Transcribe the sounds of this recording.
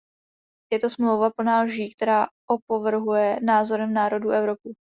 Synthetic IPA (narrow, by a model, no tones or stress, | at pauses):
jɛt̪osmlowvap̩naːlʒiːk̚t̪ɛɾaːʔopovr̩ɦujɛnaːzo̞ɾɛmnaːɾo̞duʔɛvɾo̞pɪ